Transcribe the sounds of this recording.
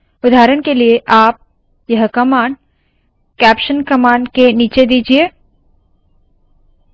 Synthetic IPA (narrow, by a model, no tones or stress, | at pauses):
ʊd̪aːɾənkelieʔaːp̚ | jɐɦkɐmaːɳɖ | kɛːpʃənkɐmaːɳɖkeniːt͡ʃed̪iːd͡ʒieː